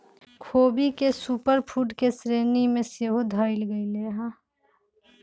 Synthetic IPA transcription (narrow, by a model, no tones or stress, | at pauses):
kʰoːbikesuːpəɾpʰuːʈkesɾeːnimẽseɦod̪ʱaːɪlɡəileːɦãː